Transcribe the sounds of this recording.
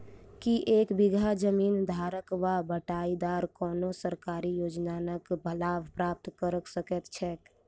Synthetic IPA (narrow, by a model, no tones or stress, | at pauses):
kiʔeːkbɪɡʱad͡ʒəmiːnd̪ʱaːɾəkʋabəʈaːid̪aːɾkɔːnosəɾkaːɾijoːd͡ʒnaːnəkbʱəlaːʋpɾaːp̚t̪kəɾəksəkət̪t͡ʃʰɛːk